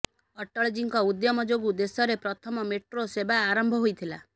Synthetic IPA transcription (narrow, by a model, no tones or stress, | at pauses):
ɔʈːɔɭed͡ʒiŋkɔud̪jɔmɔd͡ʒoɡud̪esɔɾepɾɔt̪ʰɔmɔmeʈɾosebaaɾɔmbʱɔɦojt̪ʰila